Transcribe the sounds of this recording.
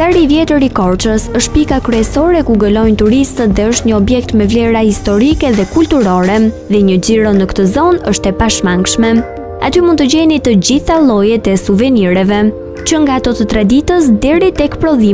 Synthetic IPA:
aɾiːvjɛt̪əɾikɔɾt͡ʃəsəʃt̪̚pikakɾɛsɔɾɛkuɡəlɔjnt̪uɾist̪ət̪ðɛəʃt̪ɲəɔbjɛk̚t̪mɛvlɛɾahist̪ɔɾikɛðɛkult̪uɾɔɾɛ | ðɛɲəd͡ʑiɾɔnəkt̪əzɔnəʃt̪ɛpaʃmaŋkʃmɛ | a̰t̪ymund̪t̪əɟɛnit̪əd͡ʑiθalˠɔjɛt̪ɛsuvɛniɾɛvɛ | t͡ʃəŋɡaːt̪ɔt̪ət̪ɾad̪it̪əs̬d̪ɛɾit̪ɛkpɾɔði

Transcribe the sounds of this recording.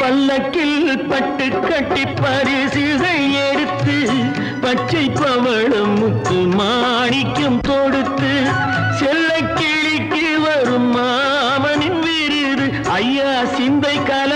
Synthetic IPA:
pɐlːɐkːɪlpɐʈːɯkːɐʈːɪpːɐɾɪsɪðɐɛɽɯt̪ːɯ | pɐt͡ʃːɐɪpːɐʋɐɭɯmːʊkːɯmaːɳɪkːɯmt̪ɔɽɯt̪ːɯ | sɛlːɐkːɪɭɪkːɪ | ʋɐɾɯmːaː | ʋɐnɪnʋɪɾɪðɯ | ɐjːaːsɪnd̪ɐɪkːaːlɐ

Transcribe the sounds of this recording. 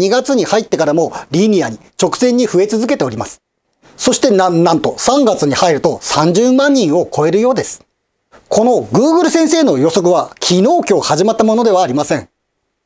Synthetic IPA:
iɡat͡sɨɲ̟ihait̪ːe̞kaɾamo̞ɾʲinʲiaɲ̟it͡ɕo̞kɯ̟̥zẽ̞ɲ̟ːiɸɯ̟e̞t͡sɨzɨke̞t̪e̞o̞ɾʲimasɨ̥ | so̞ɕi̥t̪e̞nãnt̪o̞sãŋɡat͡sɨɲ̟ihaiɾɯ̟t̪o̞sãɲd͡ʑɨːmãɲ̟ːĩɰ̃o̞ko̞e̞ɾɯ̟jo̞ːd̪e̞sɨ̥ | kʰo̞no̞ɡɯ̟ːɡɯ̟ɾɯ̟sẽɰ̃se̞ːno̞jo̞so̞k̬ɯ̟βakʲʰino̞ːkʲo̞ːhaʑimat̪ːamo̞no̞d̪e̞βaːɾʲimasẽ̞ŋ

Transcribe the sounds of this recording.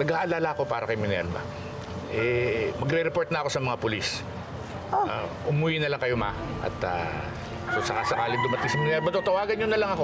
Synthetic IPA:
nɐɡaːʔɐlaːlɐɐko̞paːɾɐkɐjmɪnɛ̰lbɐ̰ | ʔɛmɐɡɾɛɾɛpo̞ɹt̪̚nɐɐko̞sɐmɐŋapʊlis | aʔʊmuːjɪnɐlaŋkɐjo̞ma | ʔɐ̰t̪a̰ | sosɐkasɐkaːlɪŋd̪ʊmɐt̪ɪɡsɐmɪnɛɾbɐd̪ot̪ɐwaːɡɐnɲɲonɐlɐŋɐko

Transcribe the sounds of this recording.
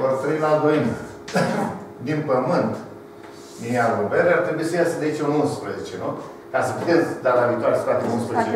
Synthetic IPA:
ort̪ɾimad̪oinə | d̪inpəmɨnt̪ | nijalobeɾeart̪ɾebuisəjased̪ait͡ʃʲununspɾəzet͡ʃenu | kasəpit̪esd̪alavit̪oaɾespat̪enunspɾəzet͡ʃe

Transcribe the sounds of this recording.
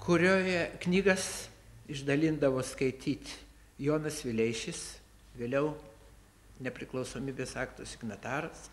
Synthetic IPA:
kʰʊɾʲoːjɛknʲiːɡɐs | ɪʒd̪ɐlʲɪnd̪ɐʋoːskɐɪt̪ʲiːt̪ʲ | joːnɐsʋʲɪlʲɛɪʃʲɪs | ʋʲeːlʲɛʊ | nʲɛpʲɾʲɪklˠɐʊsoːmʲiːbʲeːsɑːkt̪osʲɪɡnɐt̪ɑːɾɐs

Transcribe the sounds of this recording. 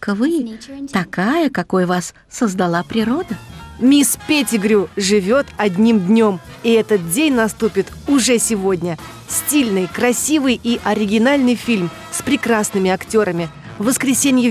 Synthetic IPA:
kəvɨt̪ɐkajəkɐkojvasːəzd̪ɐlˠapɾʲɪɾo̞d̪əmʲispʲetʲɪɡɾʲuʐɨvʲo̞t̪ɐdʲnʲimd̪ʲnʲo̞m | iɛt̪ət̪̚dʲenʲnɐst̪upʲɪt̪ʊʐɛsʲɪvodʲnʲə | sʲtʲilʲnɨjkɾɐsʲivɨjiʔɐɾʲɪɡʲɪnalʲnɨjfʲilʲm | spɾʲɪkɾasnɨmʲɪɐktʲo̞ɾəmʲɪ | vəskɾʲɪsʲenʲɪjɪ

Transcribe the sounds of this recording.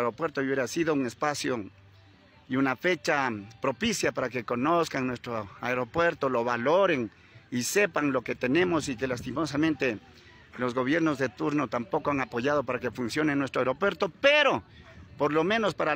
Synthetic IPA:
ɾopwe̞ɾt̪ouβjeɾasiðouŋe̞spasjo | iunafe̞t͡ʃapɾo̞pisjapaɾake̞ko̞no̞skaŋnwe̞st̪ɾoaeɾo̞pweɾt̪o̞lo̞βalo̞ɾe̞ŋ | ise̞paŋlo̞ke̞t̪e̞nẽ̞mosikelast̪imo̞samẽnt̪e̞ | lo̞zɣo̞β̞je̞ɾno̞zðe̞t̪uɾno̞t̪ampo̞koaŋapo̞ʝaðo̞paɾake̞funsjo̞nenwest̪ɾoaeɾo̞pwe̞ɾt̪o̞peɾo̞po̞ɾlo̞mẽ̞no̞spaɾa

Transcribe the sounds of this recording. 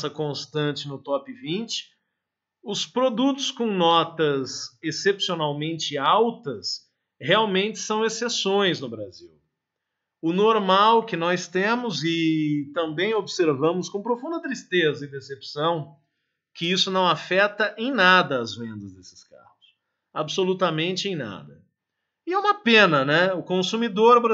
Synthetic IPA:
sɐkõst̪ɐ̃nt͡ʃɪnʊt̪ɔpɪvĩt͡ʃɪ̥ | ʊspɾod̪ut̪ʊ̥skõw̃nɔt̪ɐzesepsionawmẽnt͡ʃɪawt̪ɐs | heawmẽnt͡ʃɪ̥sɐ̃w̃esesõj̃znʊbɾaziw | ʊnoɾmawkɪnɔst̪ẽmʊzɪt̪ɐ̃mbẽj̃obseɾvɐ̃mʊskõpɾofũnd̪ɐt̪ɾist̪ezɐɪd̪esepsɐ̃w̃ | kɪisʊnɐ̃w̃afɛt̪ɐʔẽj̃nad̪ɐːzvẽnd̪ɐzd̪esɪ̥ska̰hʊs | absolut̪ɐmẽnt͡ʃɪẽj̃na̰d̪ɐ | ɪɛũmɐpẽnɐnɛʊkõsumid̪oɾbɾ

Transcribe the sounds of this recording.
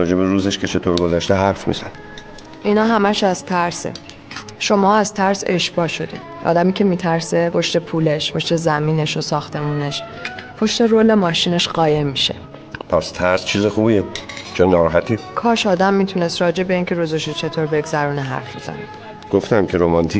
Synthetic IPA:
ɾɒːd͡ʒe̞beɾuːzeʃkʰet͡ʃʰe̞t̪ʰoɾɡozæʃt̪eɦæɾfmḭzæn | ʔinɒːɦæmæʃæzt̪ʰæɾsḛ | ʃo̞mɒːæz̥t̪ʰæɾse̞̰ʃb̥ɒːʃo̞d̪ḭ | ʔɒ̰ːd̪æmiːcʰe̞miːt̪ʰæɾse̞pʰo̞ʃt̪e̞pʰuːle̞ʃpʰo̞ʃt̪e̞zæmiːne̞ʃosɒːxt̪ʰe̞muːne̞ʃpʰo̞ʃt̪e̞ɾoːle̞mɒːʃiːne̞ʃɢɒːje̞mːiʃe̞̰ | pʰæst̪ʰæɾst͡ʃʰiːzexuːbiet͡ʃʰonːɒːɾɒːɦæt̪ʰikʰɒːʃɒːd̪æmːiːt̪ʰune̞st̪ɾɒːd͡ʒe̞be̞iːncʰe̞ɾuːzeʃot͡ʃʰe̞t̪ʰoːɾbe̞ɡzæɾuːneɦæ̰ɾfbezæ̰ni | ɡ̥oft̪æmcʰeɾomɒnt̪ʰi

